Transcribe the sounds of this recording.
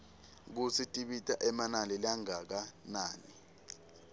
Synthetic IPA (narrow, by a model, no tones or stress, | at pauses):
k̬usitʼiɓitʼaʔɛmanalɛlaŋak̬anaːni